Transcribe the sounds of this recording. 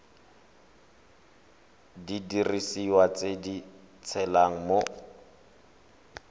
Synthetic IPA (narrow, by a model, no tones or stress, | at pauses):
didirisiwat͡sedi | t͡sʰɛlaŋ̩mo